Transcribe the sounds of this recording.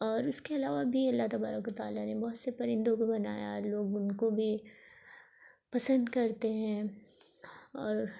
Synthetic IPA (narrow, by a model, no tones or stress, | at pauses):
ɔːɾʊskeɐlaːʋabʱiɐlːaɦt̪ɐbaːɾəkʋɐt̪aːlanebɔɦʊt̪sepɐɾɪ̃nd̪õkobɐna̰ːja̰loːɡʊnkobʱi | pɐsə̃nd̪kɐɾt̪eɦɛ̃ | ɔːɾ